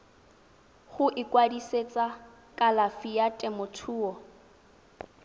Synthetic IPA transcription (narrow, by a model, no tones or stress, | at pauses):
χʊʔɪkʼwadiset͡sʼa | kʼalafijatʼɛmʊtʰuːɔ